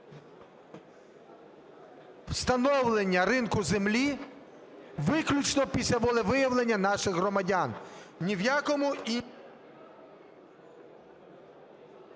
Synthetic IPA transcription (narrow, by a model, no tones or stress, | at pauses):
w̥st̪ɐnɔwlˠenʲːɐɾɪnkʊzemlʲi | ʋɪklʲʊt͡ʃnɔpʲisʲlʲɐʋɔlˠɛʋɪjɐwlˠe̞nʲːɐnɑʃɪɣɦɾɔmɐdʲannʲiwjakɔmʊi